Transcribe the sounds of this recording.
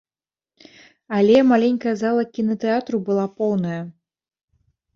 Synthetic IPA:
alʲɛmalʲenʲkɐjɐzalˠɐkʲinɐt̪ɛat̪ɾubɨlˠapɔwnɐjɐ

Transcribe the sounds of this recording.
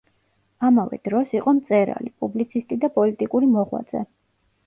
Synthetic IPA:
amavɛ̰d̪̥ɾɔsiqʼɔmt̪sʼɛɾa̰lipʼublit̪sʰist̪ʼid̪apʼɔlit̪ʼikʼuɾimɔʁwa̰d̪z̥ɛ

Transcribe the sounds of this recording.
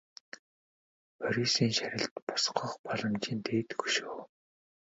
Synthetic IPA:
pʰœɾʲisiːŋʃæɾʲɪ̆ɬt̪pɔ̥sqə̆χpɔɮɞ̆mt͡ɕiːnt̪ʰeːt̪ɡu̥ʃuː

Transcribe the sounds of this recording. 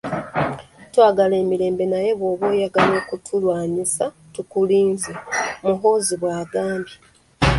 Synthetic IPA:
twaːɡale̞ːmiɾe̞ːmbe̞naje̞βwo̞ːβwoːjaɡalo̞ːkutʰulwaːɲisa | tukuliːnzemuɦo̞ːziβwaːɡaːmbi

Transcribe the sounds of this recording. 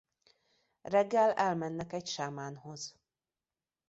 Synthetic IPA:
rɛɡːɛlɛlmɛnːɛkɛcʃamaːnho̞z

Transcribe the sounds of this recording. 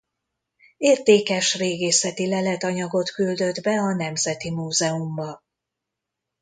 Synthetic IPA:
eːrt̪eːkɛʃreːɡeːsɛt̪ilɛlɛt̪ɒɲɒɡo̞t̪kyld̪ø̞d̪bɛɒn̪ɛmzɛt̪imuːzɛumbɒ

